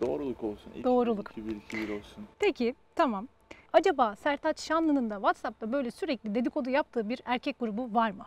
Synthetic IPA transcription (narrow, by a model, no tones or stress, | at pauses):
d̪̥o̞̰ːɾulˠuko̞lˠsunḭd̪o̞ːɾulˠukbiɾcʰibiɾo̞lˠsunpʰecʰit̪ʰamam | ad͡ʒabaːsæɾt̪ʰat͡ʃʃanlˠɯnɯnd̪avat̪sap̚t̪ʰabø̞jlʲɛsyɾɛclʲid̪e̞d̪ikʰo̞d̪ujap̚t̪ʰɯːbiɾæɾcʰɛc̚ɡ̥uɾubuvaɾmɯ